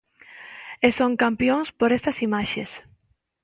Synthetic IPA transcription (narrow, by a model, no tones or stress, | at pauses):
esoŋkampjõŋspoɾest̪ɐsimaʃes